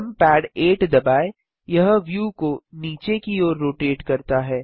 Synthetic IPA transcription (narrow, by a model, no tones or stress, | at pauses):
mpɛːɖeːʈd̪ɐbaːe | jɐɦʋjuːkoniːt͡ʃekioːɾːoːʈeːʈkɐɾt̪aɦɛː